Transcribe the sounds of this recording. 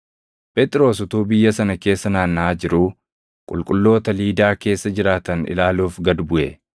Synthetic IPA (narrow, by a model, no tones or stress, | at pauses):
pɛt̪ʼɪɾo̞ːsʊt̪uːbɪjːɐsɐnɐke̞ːsːɐnaːnːaːd͡ʒɪɾuː | kʼʊ̰lkʼʊlːo̞ːt̪ɐliːd̪aːke̞ːsːɐd͡ʒɪɾaːt̪ɐnɪ̰laːluːfɡɐd̪bʊʔɛ